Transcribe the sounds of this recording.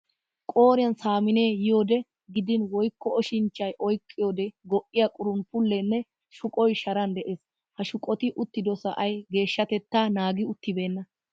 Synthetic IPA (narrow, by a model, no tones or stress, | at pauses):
kʼo̞ːɾɪɐnsaːmɪneːjɪjo̞ːd̪ɛ | ɡɪd̪ɪnwɔjkːɔɔʃɪnt͡ʃːɐjʔɔjkʼːɪjo̞ːd̪ɛɡɔʔɪjakʼʊɾʊnpʊlːɛnːɛ | ʃʊkʼɔjʃɐɾɐnd̪ɛʔeːs | hɐʃʊkʼɔt̪ɪʔʊt̪ːɪd̪ɔsɐ̰ʔɐjɡe̞ːʃːɐt̪ɛt̪ːaːnaːɡɪʊt̪ːɪbe̞ːnːɐ